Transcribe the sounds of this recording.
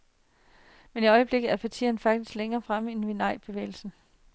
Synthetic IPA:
meniɒ̽ɪəb̥le̝ɡ̥ð̩ˠæɐpʰæt͡sʰḭːɐnfɑ̈ɡ̥d̥isɡ̥leŋɐːfʁam̰enʋenɑ̈ɪ̰b̥e̝ʋḛːɪl̩sn̩

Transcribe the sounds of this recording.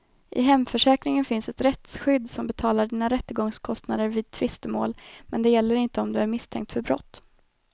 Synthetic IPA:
ʔɪ̰ɦɛmfœʂɛːkɾɪŋənfɪnsɛt̪ɾɛt̪sɧʏd̪ːsɔmbɛt̪ʰɑːlaɖiːnaɾɛt̪ːəɡɔŋskʰɔst̪nad̪əɾviːd̪̚t̪ʰvɪst̪əmo̰ːlmɛnd̪ɛjɛlːəɾɪnt̪əɔmd̪ɵæɾmɪst̪ʰɛ̰ŋk̚t̪fœɾbɾɔ̰t̪ː

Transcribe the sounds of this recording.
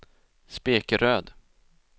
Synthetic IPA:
speːkəɾøːd̪

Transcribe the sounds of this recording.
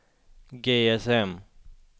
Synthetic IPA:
ɡeːɛsɛm

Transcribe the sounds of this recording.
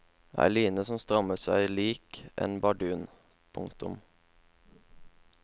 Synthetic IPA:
ʔæ̰ɪliːnəsɔmst̪ʁɑməsæɪliːkʔḛːnbɑɖʉːn | pʰʊ̰ŋt̪ʊm

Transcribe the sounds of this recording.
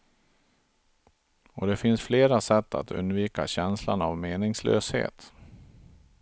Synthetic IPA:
ɔd̪ɛfɪnsfleːɾasɛt̪ːa̰t̪ʰɵ̰nd̪viːkaɕɛnslanavmeːnɪŋslø̰ːshḛːt̪

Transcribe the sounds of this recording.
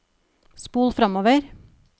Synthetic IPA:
spuːlfɾɑmoːʋəɾ

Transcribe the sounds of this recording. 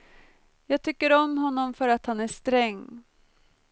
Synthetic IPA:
jɑːɡ̚t̪ʰʏkːəɾɔmɦɔnːɔmfœɾat̪hanæʂt̪ɾɛŋː

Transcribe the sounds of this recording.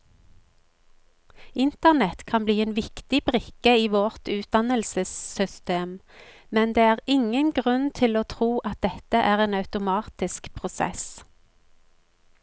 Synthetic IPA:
ɪnt̪əʁnɛt̪kʰɑnbliːeːnʋɪkt̪ɪbʁɪkəiːʋɔʁt̪ʉːt̪̚d̪ɑnəlsəssʏst̪eːm | mɛnd̪eːæːʁɪŋənɡʁʉnt̪ʰɪloːt̪ʰʁuːʔɑt̪̚d̪ɛt̪əʔæːʁeːnɑʉt̪ʊmɑːt̪ɪskpʰʁʊsɛ̰s

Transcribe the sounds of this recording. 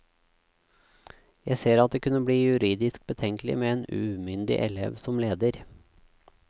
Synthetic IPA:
jæɪseːɾɑt̪̚d̪eːkʰʉnəbɽiːjʉɾiːd̪ɪsk̚bət̪ʰɛŋklɪ̰meːeːnʉːmʏnd̪ɪ̰ʔɛlɛ̰ʋsɔmleːd̪əɾ

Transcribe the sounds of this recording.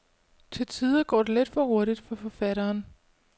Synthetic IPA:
t͡sʰe̝lt͡sʰiːðˠɐɡ̥ɒ̰ːdeled̥fɒ̽ʁo̝ɐɾid̥fɒ̽fɒ̽fæɾɐːn

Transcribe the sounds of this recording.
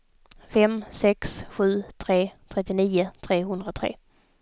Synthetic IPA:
fɛmsɛksɧʉ̟ːt̪ʰɾeːt̪ʰɾɛt̪ːɪniːʊt̪ʰɾeːɦɵnd̪ɾat̪ʰɾḛː

